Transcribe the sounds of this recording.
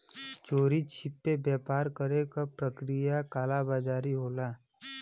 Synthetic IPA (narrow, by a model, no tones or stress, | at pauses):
t͡ʃoːɾit͡ʃʰɪpːebjɛːpaːɾkəɾekapɾəkɾijakaːlabaːd͡ʒaːɾiɦoːlaː